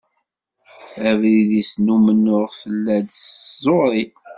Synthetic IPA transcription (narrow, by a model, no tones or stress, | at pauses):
ævɾiðisnumənːʊʁθəlːæd̪szˤoɾˤi